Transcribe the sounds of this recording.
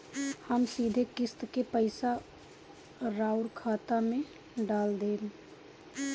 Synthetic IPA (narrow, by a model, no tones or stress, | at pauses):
həmsid̪ʱekɪst̪kepəɪsa | ɾaːʊɾkʰaːt̪amẽ | ɖaːld̪eːl